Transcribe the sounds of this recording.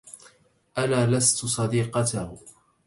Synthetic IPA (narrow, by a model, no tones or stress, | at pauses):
ʔalaːlast̪sˤɑd̪iːqɑt̪ah